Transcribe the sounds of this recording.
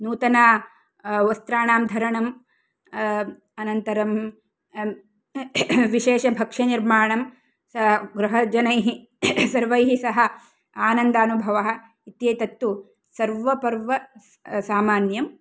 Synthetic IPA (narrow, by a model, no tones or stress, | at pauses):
nuːt̪ɐnaː | ʋɐst̪ɾaːɳaːmd̪ʱɐɾɐɳɐm | ɐnɐnt̪ɐɾɐm | ʋiʃeːʃɐbʱɐkʂɐniɾmaːɳɐm | sɐɡɾɐɦɐd͡ʒɐnɐjɦi | sɐɾʋɐjɦisɐɦɐ̆ | aːnɐnd̪ɐɐnubʱɐʋɐɦɐ̆ | it̪jɐːt̪ɐt̪ːu | sɐɾʋɐpɐɾʋɐ | saːmaːnjɐm